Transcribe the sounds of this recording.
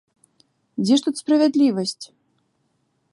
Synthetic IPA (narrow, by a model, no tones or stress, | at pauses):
d͡zʲɛʂt̪ut̪spɾɐvʲad̪lʲivɐsʲt͡sʲ